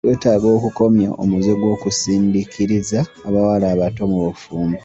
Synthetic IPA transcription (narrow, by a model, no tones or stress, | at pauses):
twe̞ːtaːɡo̞ːkuko̞mja̰ʔo̰muzeɡwo̞ːkusiːndikʰiɾizaːβawalaːβatomuβofuːmbe